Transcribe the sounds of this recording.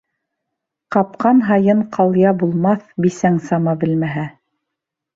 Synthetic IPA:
qɑp̚qɑnɦɑjɤɴqʰɑlˠjɑbulˠmɑθbisæŋsɑmɑbɘ̆lmæɦæ

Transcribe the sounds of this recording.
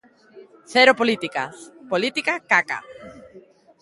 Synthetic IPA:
θeɾopolit̪ika̰polit̪ikakaka̰

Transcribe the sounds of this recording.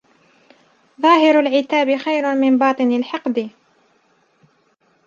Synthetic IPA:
ðˤɑːɦɪɾalʕɪt̪aːbɪxajɾʊmɪnbɑːt̪ˤɨnalħɑqd̪ɪ

